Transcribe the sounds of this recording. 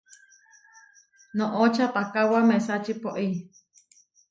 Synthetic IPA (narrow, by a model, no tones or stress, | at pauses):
nõʔot͡ʃʰat̪akawamẽsat͡ʃipoʔi